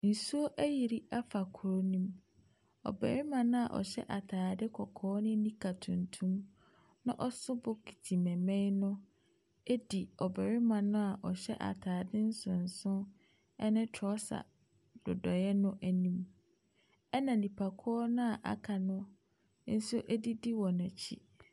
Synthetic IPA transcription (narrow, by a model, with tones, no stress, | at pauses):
n̩˨su˦o˦ʔæ˦ji˨ɾi˦a˦fa˨kʰʊ˨ɾo˦nĩ˦m | ɔ̰˨bɛ̰˨ɾɪ˦mã˨nʊ̃˦a˨ʔɔ̰˨ɕɛ̰˦ʔa˨tʰaː˨dɪ˦kʰɔ˨kʰɔː˦nʊ̃˦nĩ˦kʰa˨tʰʊ̃˨ntʰũ˦m | nã˦ʔɔ˦sʊ˦bʊ˦kʰi̥˨tʰi˨mɛ̃˨mɛ̃˦nʊ̃˦ | e˦di˨ɔ˨bæ˨ɾi˦mã˨nʊ̃˦a˨ʔɔ˨ɕɛ˦ʔa̰˨tʰaː˨dɪ˦n̩˦sʊ̃˨n̩˨sʊ̃˦ | ɛ˦nɪ̃˦tʰɔ˦sa̰˨ | d̥ʊ˨dɔ˨jɛ˦nʊ̃˦ʔæ˨nĩ˦m | ɛ˦nã˨nĩ˨pʰa˨kʰɔ˦nʊ̃˦a˨ʔa̰˨kʰa˨nʊ̃˦ | n̩˦su˦ʔe˦di˦di˦wɔ̃˨nɛ̃˨t͡ɕʰḭ˦